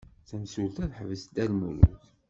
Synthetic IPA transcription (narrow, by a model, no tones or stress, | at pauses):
θæmsult̪æðħəvəsd̪ælmṵlṵθ